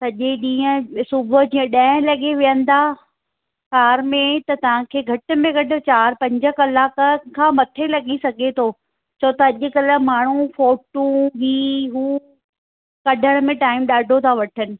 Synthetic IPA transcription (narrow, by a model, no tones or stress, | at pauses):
sɐʄeɗĩːə̃sʊbʱʊ̆d͡ʑiːə̃ɗãːɪ̃lɐɠeʋijən̆d̪aː | kaːɾmẽt̪ɐt̪ɐʋ̤ãkʰeːɡʱɐʈə̆mẽɡɐɖʱʊ̆t͡ɕaːɾpɐ̃ɲd͡ʑə̆kɐlaːkəkʰãːmɐt̪ʰelɐɡisɐɡʱet̪ʰoː | t͡ɕʰɐt̪ɐɐʄʊ̆kɐlə̆maːɳ̤ufoːʈũbiːɦuː | kɐɖʱəɽ̃mẽʈaːɪmɗaːɖʱot̪ʰaʋɐʈʰənɪ̆